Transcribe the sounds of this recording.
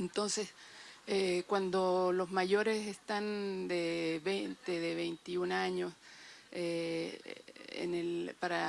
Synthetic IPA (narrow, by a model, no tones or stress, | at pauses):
ent̪onsesekwand̪olosmaʝoɾesest̪and̪eβejnt̪eðeβejnt̪iunaɲose | ḛnelpaɾa